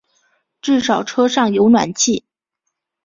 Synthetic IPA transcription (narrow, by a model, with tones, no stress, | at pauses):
ʈ͡ʂɻ̩˥˩ʂɑ˨˩ʊʈ͡ʂʰɤ˥ʂɑ˥˩ŋjo˧˥ʊnwa̰˨˩nt͡ɕʰi˥˩